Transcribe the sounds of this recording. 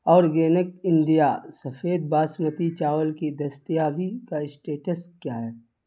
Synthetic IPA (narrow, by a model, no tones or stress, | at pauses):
ɔːɾɡeːnək̚ɪ̃nd̪ijasɐfʰeːd̪̚baːsmət̪it͡ʃaːʋəlkid̪ɐst̪ijabʱikaɪsʈeːʈəskjaːɦɛː